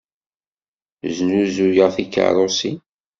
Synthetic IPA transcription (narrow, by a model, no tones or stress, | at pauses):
znuzujəʁθikːə̰ɾˤosi